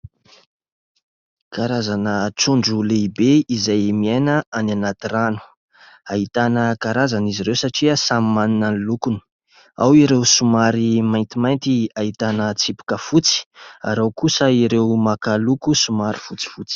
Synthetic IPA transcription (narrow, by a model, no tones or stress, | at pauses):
kaɾazanəʈ͡ʂuɳɖ͡ʐuleibeizajmienəananat̪iranu̥ | aɦit̪anəkaɾazaniziɾewsaʈ͡ʂiəsamimaninanlukuni̥ | a̰wiɾewsumaɾimajnt̪imajnt̪iaɦit̪anət͡sipu̥kəfut͡si̥a̰ɾawkusəiɾewmakalukusumaɾifut͡si̥fut͡si̥